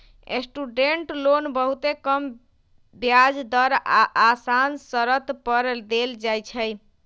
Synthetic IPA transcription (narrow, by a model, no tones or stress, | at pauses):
ḛsʈuɖeɳʈlonbəɦut̪ekəm | bjad͡ʒd̪əɾaʔasansəɾət̪pəɾd̪eld͡ʒajt͡ʃʰəj